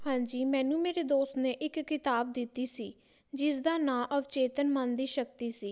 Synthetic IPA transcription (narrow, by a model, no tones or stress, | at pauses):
hãːɲd͡ʒiːmɛ̃ːnũːmeːɾeːd̪oːst̪nẽːʔɪkːɪt̪aːb̚d̪ɪt̪ːiːsiː | d͡ʒɪsd̪aːnãːʔəʋt͡ʃeːt̪ənmənd̪iːʃəkt̪iːsiː